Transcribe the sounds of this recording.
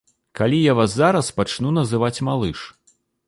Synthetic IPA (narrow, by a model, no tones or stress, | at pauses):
kalʲijavazːaɾɐspat͡ʂnunɐzɨvat͡sʲmalˠɨʂ